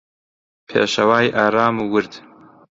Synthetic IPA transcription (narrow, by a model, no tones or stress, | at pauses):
pʰḛːʃɐwaːjʔaːɾaːmuwɨɾd̪